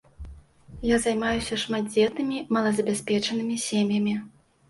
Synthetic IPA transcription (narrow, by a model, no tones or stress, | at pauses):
jazajmajusʲɐʂmad̪̚d͡zʲɛt̪nɨmʲimɐlˠɐzɐbʲasʲpʲɛt͡ʂɐnɨmʲisʲemjɐmʲi